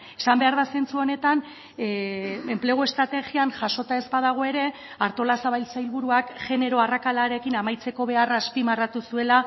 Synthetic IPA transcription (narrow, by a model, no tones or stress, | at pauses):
e̞sambe̞aɾðase̞nt͡suo̞ne̞t̪an | e̞mple̞ɣ̞oe̞st̪ɾat̪e̞ɣianʝaʃo̞t̪ae̞spaðaɣ̞o̞e̞ɾe̞ | aɾt̪o̞lasaβajlt͡sajlβuɾuakʝe̞ne̞ɾo̞arakalaɾe̞kinamajt͡se̞ko̞β̞e̞araːspimarat̪usue̞la